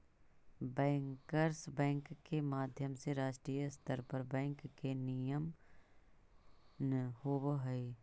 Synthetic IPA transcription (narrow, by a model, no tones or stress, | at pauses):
bɛ̃ːŋkəɾsbɛ̃ːŋkːemaːd̪ʱjəmseɾaːʃʈɾiːjəst̪ʰəɾpəɾbɛ̃ːŋkːenijəm | nhoːboɦi